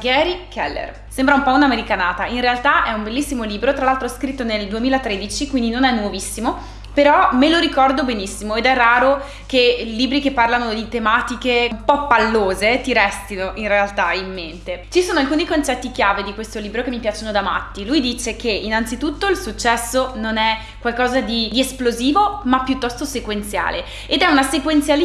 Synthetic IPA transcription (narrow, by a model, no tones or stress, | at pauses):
ɡɛːɾikʰɛ̰lːḛr | sembɾaumpɔunameɾikanaːt̪ainrealt̪aʔɛumbelːisːimoliːbɾot̪ɾalalt̪ɾoɛskɾit̪ːoneld̪uemiːlat̪ɾed̪it͡ʃikwind̪inonɛnːwovisːimo | peɾɔmeloɾikɔrd̪obenisːimoed̪ɛrːaːɾo | keliːbɾikepːarlanod̪it̪emaːt̪ikeumpɔpːalːoːzet̪iɾɛst̪inoʔinrealt̪aimːent̪et͡ʃisoːnoalkuːnikont͡ʃɛt̪ːik̟jaːved̪ikwest̪oliːbɾokemːipjaːt͡ʃonod̪ama̰t̪ːilujd̪iːt͡ʃek̟einant̪sit̪ut̪ːoilsut͡ʃːɛsːononɛ | kwalkɔːzad̪id̪iesploziːvomapːjut̪ːɔst̪osekwent̪sja̰ːle | ed̪ɛunasekwent̪sjal